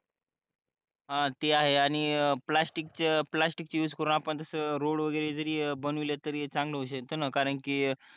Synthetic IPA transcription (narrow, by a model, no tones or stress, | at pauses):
ɦãt̪eaɦeaɽ̃iplasʈik̚t͡ɕeplasʈik̚t͡ɕjuːd͡zkəɾoñapəɳt̪əsəːɾoɽʋəɡəjɾed͡zəɾiːbənʋilət̪əɾt͡sãŋɡləɦoɕ̬əkt̪ənəkaɾəɳkiː